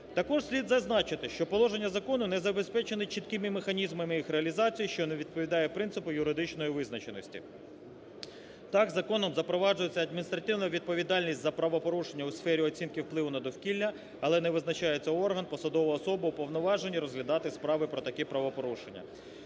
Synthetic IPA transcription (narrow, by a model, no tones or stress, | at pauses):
t̪ɐkɔʒsʲlʲid̪zɐznɑt͡ʃɪt̪ɪʃt͡ʃɔpɔlˠɔʒe̞nʲːɐzɐkɔnʊnɛzɐbe̞spɛt͡ʃenɪt͡ʃit̪kɪmɪmexɐnʲizmɐmɪjixɾeɐlʲizɑt͡sʲijiʃt͡ʃɔneʋʲid̪̚pɔʋʲid̪ɑjɛpɾɪnt̪sɪpʊjʊɾɪd̪ɪt͡ʃnɔjiʋɪznɐt͡ʃenɔsʲtʲḭ | t̪ɑɡzɐkɔnɔmzɐpɾɔʋɑd͡ʒʊjet͡sʲːɐd̪̚mʲinʲist̪ɾɐt̪ɪwnɐʋʲid̪̚pɔʋʲid̪ɑlʲnʲisʲtʲzɐpɾɐʋɔpɔɾuʃenʲːɐʊsfɛɾʲiɔt͡sʲinkɪwplˠɪʋʊnɐd̪ɔwkʲilʲnʲɐ | ɐlˠɛnɛʋɪznɐt͡ʃɑjet͡sʲːɐɔrɦɐnpɔsɐd̪ɔʋɔːsɔbɐupɔʋnɔʋɑʒenʲːiɾɔzɦlʲɐd̪ɑt̪ɪspɾɑʋɪpɾɔt̪ɐkɛpɾɐʋɔpɔɾuʃenʲːɐ̰